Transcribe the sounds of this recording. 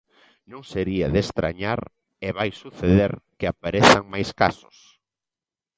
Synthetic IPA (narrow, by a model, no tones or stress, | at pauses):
nõŋseɾiaðest̪ɾa̰ɲaɾ | eβajsuθeðeɾkɪapaɾeθaŋmajskasʊ̥s